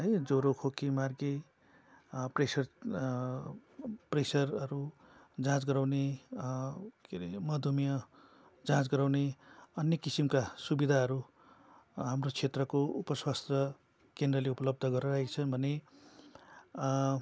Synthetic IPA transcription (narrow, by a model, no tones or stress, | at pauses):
ɦʌjd͡zoɾokʰokimarɡe | presʌr | presʌrʌɾu | d͡zãt͡sɡʌɾawne | kmʌd̪ʱumijʌ | d͡zãt͡sɡʌɾawneʌnjʌkisimkasubid̪ʱaɦʌɾu | ɦamrot͡sʰet̪rʌkoupʌswast̪ʌ | kend̪rʌleupʌlʌb̚d̪ʱʌɡʌɾʌɾaɦit͡sʰʌnbʱʌne